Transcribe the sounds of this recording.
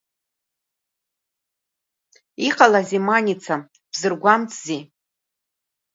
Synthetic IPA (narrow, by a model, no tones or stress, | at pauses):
iqʼalazimanit͡sʰa | b̥zɨrɡʷamt͡sʰʼzi